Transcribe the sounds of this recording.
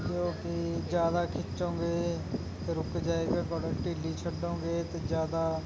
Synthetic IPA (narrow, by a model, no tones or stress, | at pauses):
d͡ʒoːkid͡ʒjaːd̪akʰɪtːt͡ʃɦõːɡe | t̪eɾʊkd͡ʒaːeɡepɔːɖəːkʈɪlit͡ʃʰəɖõːɡeːt̪ed͡ʒjaːd̪a